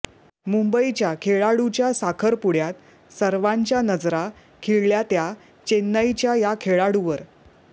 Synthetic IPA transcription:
mumbəit͡ɕjakʰeɭaɽut͡ɕjasakʰəɾpuɽjat̪ | səɾʋaɲt͡ɕjanəd͡zɾa | kʰeɭljat̪ja | t͡ɕenːajt͡ɕjajakʰeɭaɽuʋəɾ

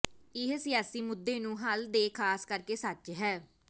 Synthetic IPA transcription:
ɪɦsɪjaːsiːmʊd̪ːeːnũːɦəld̪eːkʰaːskəɾkeːsət͡ʃɦɛː

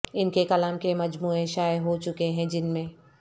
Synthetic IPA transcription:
ɪnkekɐlaːmkemɐd͡ʒmuːeʃaːɦot͡ʃʊkeɦɛ̃d͡ʒɪnmẽ

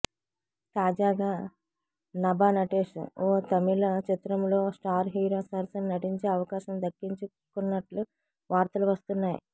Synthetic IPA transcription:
t̪aːd͡ʒaːɡaː | nɐbaːnɐʈeːʂṵoːt̪ɐmilɐt͡ʃit̪ɾɐmloːsʈaːɾɦiːɾoːsɐɾsɐnnɐʈiɲt͡ʃeːɐʋɐkaːʃɐmd̪ɐkːiɲt͡ʃu | kunːɐʈlu | ʋaːɾt̪ɐluʋɐst̪unːaːjḭ

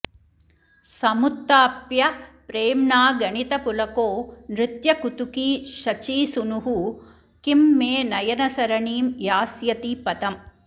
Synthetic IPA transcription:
sɐmut̪ːaːpjɐpɾeːmnaːɡɐɳit̪ɐpulɐkoːnɾɪt̪jɐkut̪ukiːʃɐt͡ʃiːsunuɦu | kimːeːnɐjɐnɐsɐɾɐɳiːmjaːsjɐt̪ipɐt̪ɐm

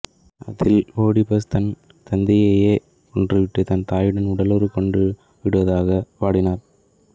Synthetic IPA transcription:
ɐ̰ðɪloːɽɪpɐst̪ɐn | t̪ɐnd̪ɪjɐjeː | kɔɳdrɯʋɪʈːɯt̪ɐnt̪aːjɪɽɐnʊɽɐlɯɾɯkɔɳɖɯ | ʋɪɽɯʋɐðaːɣɐʋaːɽɪnaːɾ

